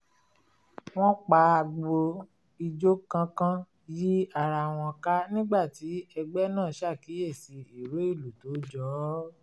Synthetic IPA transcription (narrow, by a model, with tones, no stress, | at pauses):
w̃ɔ̃˦k͡pa˨˦a˧ɡ͡bo˧ | i˧d͡ʒo˦kã˦kã˦ | ji˦a˨ɾa˧˨w̃ɔ̃˧ka˦nĩ˦ɡ͡ba˦˨ti˨˦ɛ˧ɡ͡bɛ˦nãː˦˨ʃa˦˨ki˨˦je˦˨si˧i˨ɾo˨˦i˦˨lu˨to˨˦d͡ʒɔ˨˦